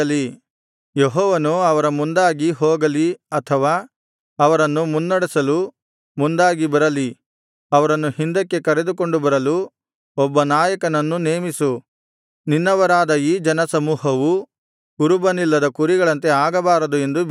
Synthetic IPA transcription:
ɐli | jeɦɔːʋɐnuɐʋɐɾɐmund̪aːɡiɦɔːɡɐliɐt̪ʰɐʋaː | ɐʋɐɾɐnːumunːɐɽisɐlu | mund̪aːɡibɐɾɐli | ɐʋɐɾɐnːuhind̪ɐkːe̞kɐɾe̞d̪uko̞ɳɖubɐɾɐlu | ɔbːɐnaːjɐkɐnɐnːuneːmisu | ninːɐʋɐɾaːd̪ɐiːd͡ʒɐnɐsɐmuːɦɐʋu | kuɾubɐnilːɐd̪ɐkuɾiɡɐɭɐnt̪e̞aːɡɐbaːɾɐd̪ue̞nd̪u

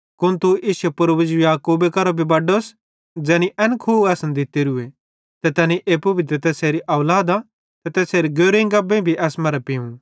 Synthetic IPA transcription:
kʊnt̪uiːsɛpʊɾbʊd͡ʒujaːkuːbekɐɾobʱibɐɖos | d͡ʒɛːniʔɛnkʰuːɛːsɐnd̪ɪt̪iɾʊe | t̪ɛt̪ɛːniʔeːpʊbɪt̪̬ɾet̪ɛːseːɾiʔɐʊlaːd̪a | t̪ɛt̪ɛːseːɾiɡoːɾẽɡɐbẽbʱiʔɛːsmɐɾɛpiũ

